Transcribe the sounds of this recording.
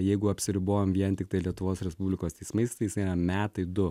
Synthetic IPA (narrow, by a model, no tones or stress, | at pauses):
jɛɪɡʊɐpʲsʲɪɾʲɪboːjomʋʲiɛnt̪ʲɪk̚t̪ɐɪlʲiɛt̪ʊʋoːsɾʲɛspubʲlʲɪkoːst̪ʲɛɪsmɐɪst̪ɐɪjɪsɐɪɾɐmʲæːt̪ɐɪd̪ʊ